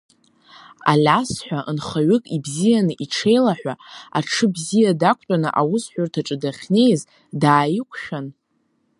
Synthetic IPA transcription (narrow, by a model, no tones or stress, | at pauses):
a̰lʲasħʷᶣaʔənχaɥʏkʼibzijanɨʔiʈ͡ʂʰe̞jlaħᶣʷaaʈ͡ʂʰɨbzijadakʷʰʼtʼanɨʔawʊsħʷᶣʊrtʰaʈ͡ʂʼɨdaχʲne̞jz | daːjɪkʷʰʃᶣan